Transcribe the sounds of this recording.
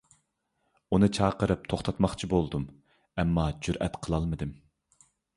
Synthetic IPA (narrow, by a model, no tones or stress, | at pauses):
unɨt͡ʃʰɑːqəɾɨp̚t̪ʰoχt̪ʰɑt̪mɑχt͡ʃʰibolˠd̪um | ɛmːɑd͡ʒyɾʔɛ̰t̪qʰəlˠɑlˠmɨd̪ɨm